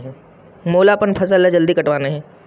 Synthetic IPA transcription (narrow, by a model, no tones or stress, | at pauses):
ɦɛ̃ | moːlapənpʰɐsəled͡ʒɐld̪ikɐʈʋaːneɦɛ̃ː